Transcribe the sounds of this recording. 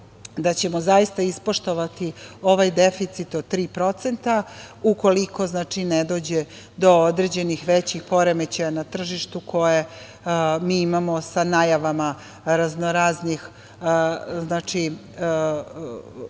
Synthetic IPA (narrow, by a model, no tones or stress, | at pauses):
d̪at͡ɕe̞mozajist̪aispo̞ʃt̪o̞ʋat̪io̞ʋajd̪efit̪sit̪od̪̚t̪ːɾiːpɾo̞t̪se̞nt̪auko̞liko̞znaːt͡ʃined̪o̞ːd͡ʑe | d̪o̞od̪ɾe̞d͡ʑe̞nixʋet͡ɕixpo̞ɾemet͡ɕajanat̪r̩ʒiʃt̪ukʰo̞je | miːimamo̞sanajaʋama | ɾaznoɾaːznix | znaːt͡ʂi